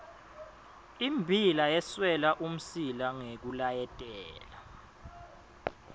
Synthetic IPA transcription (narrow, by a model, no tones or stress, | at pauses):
imbʱilajɛswɛlaʔum̩silaŋek̬ulajɛtʼɛːla